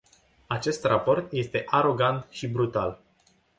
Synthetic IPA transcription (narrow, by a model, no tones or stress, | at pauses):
at͡ʃe̞st̪rapo̞rt̪je̞st̪e̞ʔaɾo̞ɡant̪ʃibɾut̪al